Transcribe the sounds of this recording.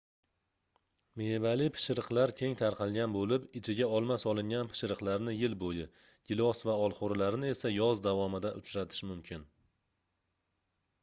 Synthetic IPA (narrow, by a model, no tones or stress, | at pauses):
mevalɪpʰɪ̥ʃɾɨqlˠaɾkʲʰe̞ŋt̪ʰaɾqʰɑlˠɡʲanbolɪpɪt͡ʃʰɪɡʲaɒlˠmasɒlˠɪŋʲanpʰɪ̥ʃɾɨqlˠaɾnɪjɪlbojɪ | ɡ̥ʲɪlˠɒsvaɒlˠχoɾlaɾɪnɪe̞sajɒzd̪avɒmɪd̪aʔʊt͡ʃɾat̪ʰɪ̥ʃmʊmkʲʰɪn